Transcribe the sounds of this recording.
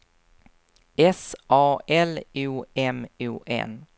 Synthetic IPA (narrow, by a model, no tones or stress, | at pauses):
ɛsʔɑːɛluːɛmuːʔɛ̰n